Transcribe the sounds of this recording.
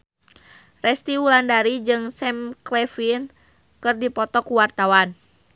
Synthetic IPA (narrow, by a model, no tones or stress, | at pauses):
rɛst̪iwulandaɾid͡ʒɨŋsɛmklɛfin | kɨrdipɔt̪ɔkuwart̪awan